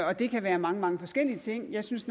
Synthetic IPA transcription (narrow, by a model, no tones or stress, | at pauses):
ɒ̽d̥e̝kʰæʋæːɐmɑ̈ŋəmɑ̈ŋəfɒ̽sɡ̥el̰iət͡sʰe̝ŋ̰jɑ̈ɪsynsn